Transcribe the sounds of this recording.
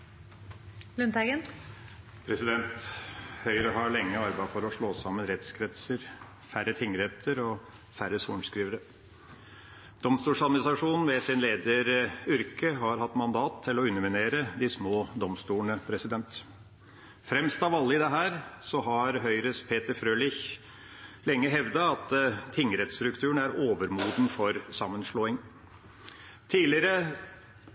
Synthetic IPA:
lʉnt̪æɡən | pʰɾɛsɪd̪ɛnt̪hœʏɾəɦɑɭɛŋːəɑɾbæfɔɾɔʂɭoːsɑmːənɾɛt̪skʰɾɛt̪səɾ | fæɾət̪ʰɪŋəɾheːt̪ʰəɾɔ | fæɾəsuːɳskɾiːʋəɾə | d̪̥ɔmst̪uːʂɑd̪mɪnɪsɾɑʂuːnn̩ʋɛsɪnleːd̪əɾʏɾkəɦɑɾhɑt̪ːmɑnd̪ɑːt̪ʰːɪlɔʉnːəmɪneːɾəd̪ɪsmoːd̪ɔmst̪uːəɳəpʰɾɛsɪd̪ɛnt̪ | fɾɛmst̪ɑʋɑlːəɪd̪ɛɦæːɾsɔɦɑɾɦœʏɾəspʰeːt̪əɾfɾøːlɪç | lɛŋːəɦɛʋd̪ɑɑt̪t̪ʰɪŋːɾɛt̪st̪ɾʉkt̪ʰʉːəɳæɾoːʋəɾmuːd̪n̩fɔɾsɑmːənʂɭoːɪŋ | t̪ʰiːlɪəɾə

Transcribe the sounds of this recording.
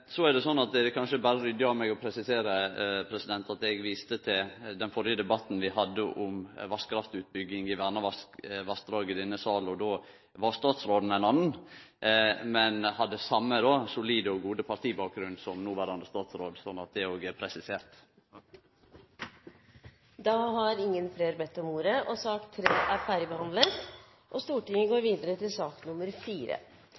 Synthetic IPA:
sɔæɾd̪ɛsɔnːɑt̪̚d̪ɛd̪ɛkʰɑnʃəbæːɾəɾʏd̪jɑːmɛɡɔpʰɾɛsɪseːɾəpʰɾɛsɪd̪ɛnt̪ʰɑt̪ɛɡʋiːst̪ət̪ʰɪld̪ɛnfɔɾjəd̪ɛbɑt̪n̩ʋɪhɑd̪ːəʔʊmʋɑskɾɑft̪ʉːt̪̚bʏɡːɪŋɪʋæɾnɑʋɑskʋɑskd̪ɾɑːɡəd̪ɪnːəsɑːlɔd̪oː | ʋɑɾst̪ɑːt̪sɾoːd̪n̩æɪnɑnn̩ | mɛnhɑd̪ːəsɑmːəd̪oːsʊliːd̪əɔɡuːd̪əpʰɑɾt̪ʰiːbɑːk̚ɡɾʉnːsɔmnuːʋæɾɑnd̪əst̪ɑːt̪sɾoːd̪sɔnːɑt̪̚d̪ɛoːɡəɛpʰɾɛsɪseːɾt̪ | d̪ɑhɑɾɪŋːənfleːɾbɛt̪ːɔmuːɾəʔɔsɑkt̪ʰːɾeːʔæɾfæɾəbəhɑnd̪lət̪ | ʔɔst̪uːʈɪŋːəɡoːɾʋiːd̪əɾət̪ɪlsɑːknʊməɾfiːɾə̰

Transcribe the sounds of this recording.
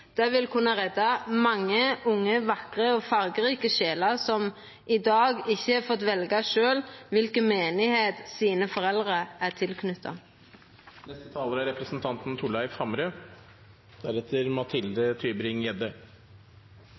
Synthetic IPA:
d̪̥ɛʋɪlkʰʉnːɑʁɛd̪ːɑmɑŋːəʊŋːəʋɑkʁəɔːfɑɾɡəɾiːkəʃeːləʁsɔm | ʔɪd̪ɑːɡɪçːəhɑfɔt̪ʋɛlɡɑʃøːlʋɪlkənmeːnɪheːt̪siːnəfɔɾɛld̪ʁəæʁt̪ʰɪlkʰnʏt̪ʰːɑ̰ | nɛst̪ət̪ʰɑːləɾæɾɛpɾəsnt̪ʰɑnt̪n̩t̪ʰʊlæɪfhɑmɾə | d̪̥æɾɛt̪ʰːəɾmɑt̪ʰɪld̪ət̪ʰyːbɾɪŋjɛd̪ə

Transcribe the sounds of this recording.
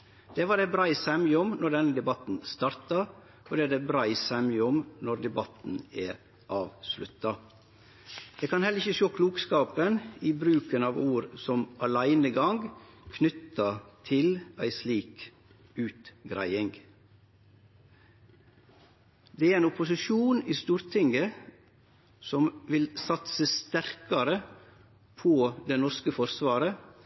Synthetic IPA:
d̪̥eːʋɑːd̪ebɾæɪsɛmjəʊmnɔɾd̪ɛnəd̪ɛbɑt̪n̩st̪ɑɾt̪ɑ | od̪ɛæːd̪ebɾæɪsɛmjʊmnɔɾd̪ɛbɑt̪n̩æːɾ | ʔɑːʋslʉ̰t̪ɑ | d̪̥eːkʰɑnhɛlːɾɪçəʃoːkʰluːkskɑːpəniːbɾʉːkənɑːʋuːɾsɔmʔɑlæɪnəɡɑŋɡkʰnʏt̪ɑt̪ʰɪlæɪsliːk | ʉːt̪ɡɾæ̰ɪɪŋɡ | d̪eːæɾeːnʊpʊsɪʃuːniːst̪uːɾt̪ʰɪŋɡə | sɔmʋɪlsɑt̪səst̪æɾkɑɾə | pʰoːd̪enɔɾskəfɔɾsʋɑːɾə

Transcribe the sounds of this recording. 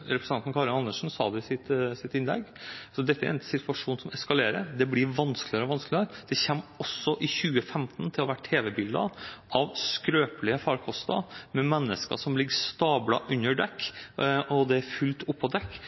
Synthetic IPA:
ɾɛpɾsʰɑnnkʰɑɾɪnɑnːəʂn̩sɑ̰ːd̪ɛɪsɪt̪sɪt̪ɪnlɛ̰ɡːsɔd̪ɛt̪ːəæ̰ɾɛnsɪt̪ʰʋɑʂuːnsɔmɛskɑleːɾəɾd̪ɛblɪɾʋɑnsklɪəɾɔʋɑnsklɪəɾd̪̥ɛçɛmːɔsːɔʔɪçʉːəfɛmt̪nt̪ʰɪlɔʋæʈʰeːʋəbɪld̪ə̰ʔɑʋskɾøːplɪəfɑːɾkʰɔst̪ɑ̰mɛmɛnːəskə̰ʂɔmlɪɡːəst̪ɑːblɑ̰ʔʉnːəɖɛkː | ɔd̪ɛæɾfʉlt̪ʊpʰːɔd̪ɛkː

